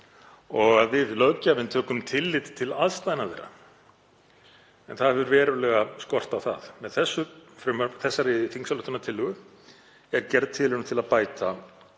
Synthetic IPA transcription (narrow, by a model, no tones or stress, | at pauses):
ɔɣaðvɪðlœcavɪnt̪ʰœːkʏmt̪ʰɪlːɪt̪t̪ʰɪlaðst̪aðnaðḛɾa̰ | ɛnθaðhɛvʏɾvɛːɾʏlɛɣaskɔr̥t̪awθa̰ðmɛðθɛsːʏfɾʏmaɾθɛsːaɾɪfiŋsalœht̪ʏnat̪ʰɪlːʏɣʏ | ɛɾcɛɾðt̪ʰɪlɪɾnʏt̪ʰɪlaðpaːjt̪a